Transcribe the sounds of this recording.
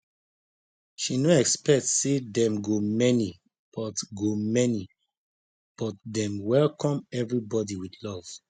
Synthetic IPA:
ʃinoɛkspɛk̚tsedɛ̃mɡomɛni | b̥ɔtɡomɛni | b̥ɔt̚dɛ̃mwɛlkɔ̃mɛvɹibɔdiwidlɔv̥

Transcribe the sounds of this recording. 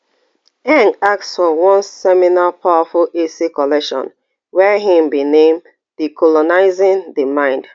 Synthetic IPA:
ɛ̃nak̚tsfɔwɔ̃nsɛminapʰawafulesikɔlɛkʃɔ̰̃n | wɛɦĩmbinẽm | dikʰɔlɔnaɪzɪ̃nðəmãɪ̃nd

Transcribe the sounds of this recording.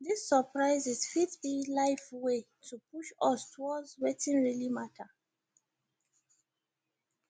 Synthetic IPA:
ðisːəpɹaɪzizfitbilaɪfwe | tʰupuʃɔstʰwɔzwetĩnɹilimatʰə

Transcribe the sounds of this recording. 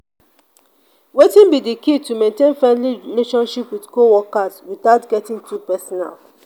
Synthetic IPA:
wetĩnbidikitumẽntẽnfɛ̃nliɹileʃɔ̃nʃipwidkowɔkaswiθaʊtɡɛtĩŋtʰupɛsɔna̰l

